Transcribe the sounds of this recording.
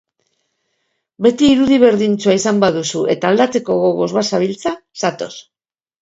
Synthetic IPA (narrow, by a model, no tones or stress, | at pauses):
be̞t̪iːɾuðiβ̞e̞ɾðint͡suaisambaðusue̞t̪aːld̪at͡se̞ko̞ɣo̞ɣo̞zβasaβilt͡sasat̪o̞s